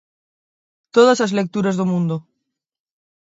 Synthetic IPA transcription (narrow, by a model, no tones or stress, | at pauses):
t̪oðasazlek̚t̪uɾazðomũnd̪o